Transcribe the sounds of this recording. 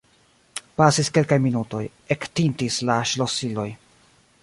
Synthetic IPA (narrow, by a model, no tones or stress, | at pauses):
pasiske̞lkajminuto̞j | ektintislaʃlo̞silo̞j